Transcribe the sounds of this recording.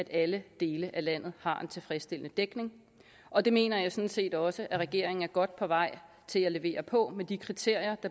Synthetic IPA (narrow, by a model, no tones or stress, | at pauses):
æd̥æləd̥e̝ːləʔælæn̰ð̩ˠhɑ̈e̝nt͡sʰe̝lfʁɛsd̥e̝l̰ənəd̥eɡ̥ne̝ŋ | ʔɒ̽d̥e̝me̝̰ːnɐjɑ̈ɪsɒ̽nse̝̰ːd̥ɒ̽səʔæʁɛɡ̥e̝ɐ̰e̝ŋ̩æɐɡ̥ɒ̽d̥̚pʰɒ̽ʋɑ̈ɪ̰ | t͡sʰe̝læle̝ʋe̝̰ːɐpʰɒ̽med̥ikʰʁit͡sʰe̝ɐ̰jɐd̥ɑ̈